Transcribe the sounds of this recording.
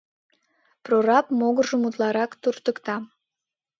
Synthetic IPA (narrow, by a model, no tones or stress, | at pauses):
proɾɑpmoɣərʒəmut̪lɑɾɑkt̪urt̪əkt̪ɑ